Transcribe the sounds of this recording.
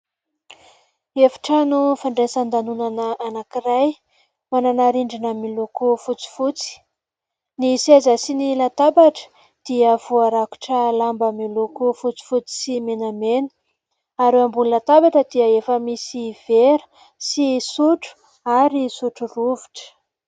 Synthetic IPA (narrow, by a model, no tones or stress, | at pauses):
efi̥ʈ͡ʂanufaɳɖ͡ʐesand̪anunanəanakiɾaj | mananaɾiɳɖ͡ʐinəmilukufut͡si̥fut͡si̥ | nisezasinilat̪abaʈ͡ʂə̥ | d̪̥iəvuaɾaku̥ʈ͡ʂəlambəmilukufut͡si̥fut͡si̥simenamenə̥ | aɾewambululat̪abaʈ͡ʂəd̪iəefəmisiv̥eɾə̥ | sisuʈ͡ʂu̥ | aɾisuʈ͡ʂuruviʈ͡ʂə̥